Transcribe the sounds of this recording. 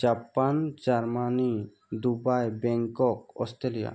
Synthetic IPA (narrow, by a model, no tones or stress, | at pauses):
d͡ʒapand͡ʒaɾmani | d̪ubajbɛŋkɔk̚ɔ̰st̪ɾelija̰